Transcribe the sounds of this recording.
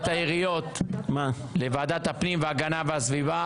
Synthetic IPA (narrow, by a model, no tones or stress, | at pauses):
t̪aiʁijo̞t̪ma | levaːd̪at̪hapnimveaɡanaveasviva